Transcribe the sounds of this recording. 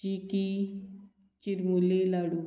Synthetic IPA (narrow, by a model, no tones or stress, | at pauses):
iːki | t͡ʃɪɾmuleːlaːɽuː